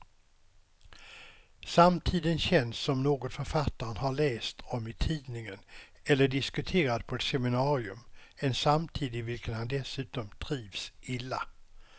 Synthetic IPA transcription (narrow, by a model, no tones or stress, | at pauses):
samt̪ʰiːd̪ənɕɛnsːɔmnoːɡɔt̪fœɾfat̪ːaɾənɦaɭɛːst̪ʰɔmɪt̪ʰiːdnɪŋənɛlːəɖɪskɵt̪ʰeːɾad̪̚pʰɔɛt̪sɛmɪnɑːɾɪɵ̰mɛnsamt̪ʰiːd̪ɪvɪlkənhand̪ɛsʉ̟ːt̪ɔmt̪ʰɾiːvsɪlːa̰